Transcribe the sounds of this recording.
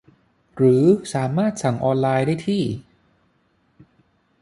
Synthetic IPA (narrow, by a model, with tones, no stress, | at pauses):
ɾɯː˩˦saː˩˦maː˥˩t̪̚sa˩˦ŋʔɔː˧nlaː˧jdaː˥˩jt̪ʰiː˥˩